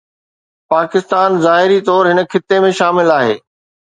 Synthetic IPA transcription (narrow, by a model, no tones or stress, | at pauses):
paːkɪst̪aːnzaːɦɪɾit̪ɔːɾɦɪnə̆kʰɪt̪ːemẽʃaːmɪlaːɦḛː